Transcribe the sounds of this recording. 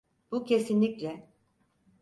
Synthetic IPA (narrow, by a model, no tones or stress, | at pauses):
b̥ucʰe̞sinlʲiclʲɛ